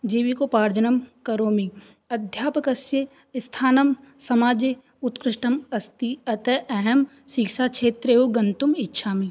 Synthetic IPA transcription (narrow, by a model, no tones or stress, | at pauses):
d͡ʒiːʋikopaːɾd͡ʒɐnɐmkɐɾoːmi | ɐd̪ʱjaːpɐkɐsje | st̪ʰaːnɐmsɐmaːd͡ʒe | ʊt̪kɾɪʃʈɐmɐst̪iɐt̪eʔɐɦɐm | sikʃaːkʃʰeːt̪ɾeːoɡɐnt̪umɪtːʃʰaːmi